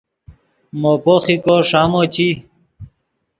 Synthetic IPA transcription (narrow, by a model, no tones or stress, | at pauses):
mopoχikoʂaːmot͡ɕi